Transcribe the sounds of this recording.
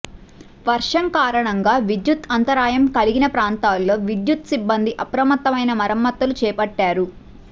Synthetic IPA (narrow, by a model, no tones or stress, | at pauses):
ʋɐɾʂɐmkaːɾɐɳɐŋɡaːʋid̪jut̪ɐnt̪ɐɾaːjɐmkɐliɡinɐpɾaːnt̪aːlːo̞ːʋid̪jut̪sibːɐnd̪iʔɐpɾɐmɐt̪ːɐmɐjnɐmɐɾɐmːɐt̪ːɐlut͡ʃɛːpɐʈːaːɾu